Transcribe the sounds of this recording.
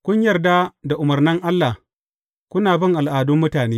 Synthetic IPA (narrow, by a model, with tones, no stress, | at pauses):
kʷʊ˦ɲjɐ˨rda˦da˨ʔʊ˨mɐ˨rnɪ˦ŋʔa˦lːa˨h | kʷʊ˦naː˨bɪ˦˨ŋʔa˨lʔaː˨dʊ˦mːʊ˦taː˨neː˦